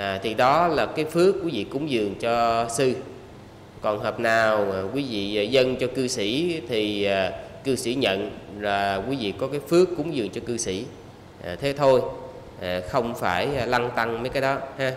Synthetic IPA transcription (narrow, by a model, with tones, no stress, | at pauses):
ʔːt̪ʰi˨˩ɗɔ˨˦laː˨˩kaː˨˦jfɨ˦˥əkːwu˧˨˦vḭ˧˨kʊ˨˦ŋ͡mzɨ˨˩əŋt͡ɕɔ˧sɨ˧ | kɔ˨˩nɦəː˨˩p̚naː˨˩wkwi˨˦vḭ˧˨˩zə˧nt͡ɕɔ˧kɨ˧si˧˩t̪ʰi˨˩aː˨˩kɨ˧sḭ˧˩ɲə̰˧˨nlaː˨˩kwi˨˦vḭ˧˨kɔ˨˦kaː˨˦jfɨ˦˥əkːʊ˨˦ŋ͡mzɨ˨˩əŋt͡ɕɔ˧kɨ˧sḭ˧˩˨ | ʔt̪ʰe˨˦t̪ʰo˧j | ʔxə˧wŋ͡mfaː˧˩jla˧ŋt̪a˧ŋməː˨˦jkaː˨˦jɗɔ˨˦haː˧